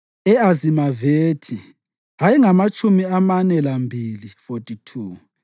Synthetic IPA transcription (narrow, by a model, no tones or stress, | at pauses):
ɛazimaveːtʰi | ɦajiŋamat͡ʃʼumiamanɛlambʱilifotʼitʰuː